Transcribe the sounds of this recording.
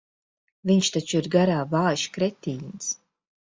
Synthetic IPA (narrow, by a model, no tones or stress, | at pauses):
viɲʃt̪at͡ʃuiɾɡaɾaːvaːjʃkɾɛt̪ʲiːns